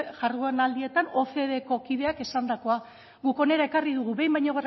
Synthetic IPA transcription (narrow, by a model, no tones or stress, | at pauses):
ʝaruenald̪ie̞t̪ano̞fe̞ðe̞ko̞kiðe̞ake̞sand̪ako̞a | ɣuko̞ne̞ɾae̞kariðuɣ̞uβe̞jmbajɲo̞ɣer